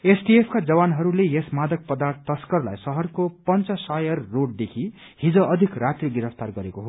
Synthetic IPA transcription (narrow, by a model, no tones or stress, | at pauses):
esɖiepʰkad͡zʌbanɦʌɾulejesmad̪ʌk̚pʌd̪art̪ːʌskʌrla̰jsʌɦʌrkopʌnt͡sʌsajʌrːoɽ̚d̪ekʰi | hid͡zʌ̃ʔʌd̪ʱikrat̪riɡiɾʌpʰt̪arɡʌɾekoɦo